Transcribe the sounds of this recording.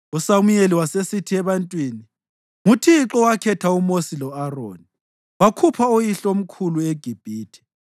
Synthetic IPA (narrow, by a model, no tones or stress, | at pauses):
usamujeliwasesitʰiɛβantʼwiːni | mutʰiǁɔwakʰɛtʰaumosilɔaro̰ːni | wakʰupʰaojiɬom̩kʰulueɡ̥ʱib̥ʱiːtʰɛ̥